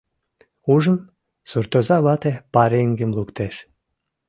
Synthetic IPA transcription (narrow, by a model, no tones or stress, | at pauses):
uʒə̆m | suɾt̪ozɑβɑt̪epɑɾeŋɡemlˠukt̪eʃ